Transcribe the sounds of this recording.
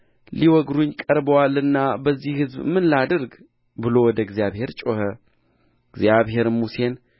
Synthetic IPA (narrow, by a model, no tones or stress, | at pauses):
liwɔɡɾuɲkʼəɾbəwalːɨnːabəzːihhɨzbmɨnlad̪əɾɡ | bɨlo̞wɔd̪əɡzijaβhe̞ɾt͡ʃʼohə | ɡzjaβhe̞ɾmuse̞n